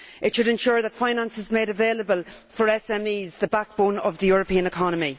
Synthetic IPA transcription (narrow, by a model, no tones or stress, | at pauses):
ɪtʃəɾɛ̃nʃʊːɹðətfãɪ̃nãnsɪzmeːɾəveːləbəlˠfə˞ɛsɛmiːzðəbak̚b̥õnəvðəjʊːɹəpʰĩːə̃nɪkʰɑnəmi